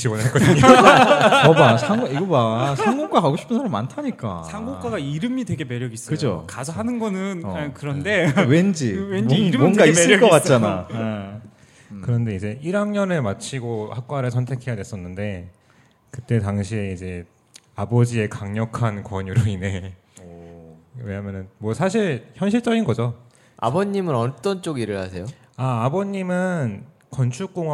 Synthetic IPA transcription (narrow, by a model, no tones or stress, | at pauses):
t͡ɕiwʌnɦaɭk͈ʌdɯɲo | ʌmasʰaŋɡiɡʌmasʰaŋɡok͈akaɡoɕʰi̥pʰɯnsʰaɾaɭma̰ntʰaɲik͈a̰sʰaŋɡok͈aɡaiɾɯmidwe̞ɡe̞me̞ɾjʌɡis͈kɯd͡ʑo̰kasʰʌɦanɯnɡʌnɯnkɯɾʌnde̞we̞nd͡ʑimʌnɡaisɯkʌk͈at̚t͡ɕ͈ana | kɯɾʌnde̞id͡ʑe̞iɾaŋɲʌnɯɭmat͡ɕʰiɡohak̚k͈waɾɯɭsʰʌntʰe̞kʰe̞jadwe̞s͈ʌnːɯnde̞ | kɯt͈e̞taŋɕʰieid͡ʑe̞ | abʌd͡ʑie̞kaŋɲʌkʰankwʌɲuɾoine̞ | we̞ɲamjʌnɯnmwʌsʰaɕ̬ʰiɭçjʌnɕ̬ʰiɭt͡ɕ͈ʌɡinɡʌd͡ʑo | a̰bʌɲːimɯnʌt͈ʌnt͡ɕ͈oɡiɾɯɭhasʰe̞jo | aːbʌɲːimɯn | kʌnt͡ɕʰuk͈oŋw